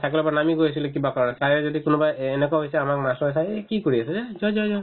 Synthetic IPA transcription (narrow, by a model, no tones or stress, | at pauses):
tʰakilɔpanamiɡojas̬ilekibakɔɹɔnɛsaɹɛzɔdikʊnɔbajenɛkaɦejsɛamak̚masɔasajekikoɹiasɛzezɔzɔzɔ